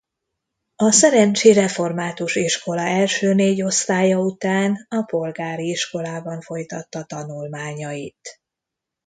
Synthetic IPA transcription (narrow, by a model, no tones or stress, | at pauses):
ɒsɛɾɛɲt͡ʃirɛfo̞rmaːt̪uʃiʃko̞lɒɛlʃøːneːɟo̞st̪aːjɒut̪aːnɒpo̞lɡaːɾiiʃko̞laːbɒɱfo̞jt̪ɒt̪ːɒt̪ɒnulmaːɲɒit̪